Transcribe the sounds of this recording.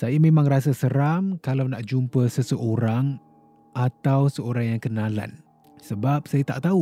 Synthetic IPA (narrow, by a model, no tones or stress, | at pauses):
sajamẽmãŋras̬asəɾamkalawnaʔd͡ʒumpəsəsəʔoɾaŋ | ʔat̪awsəoɾaŋjaŋkənãla̰n | səbap̚sajat̪aʔt̪au